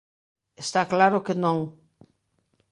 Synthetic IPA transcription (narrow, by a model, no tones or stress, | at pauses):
est̪aklaɾʊkenõŋ